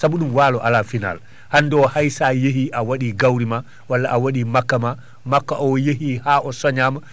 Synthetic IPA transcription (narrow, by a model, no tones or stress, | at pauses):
saɓuɗumwaːlɔʔalafina̰l | hanːdɔhajsajeɦiʔawaɗiɡawɾima | walːaʔawaɗimakːama | makːaʔɔjeɦihaːʔɔsɔɲama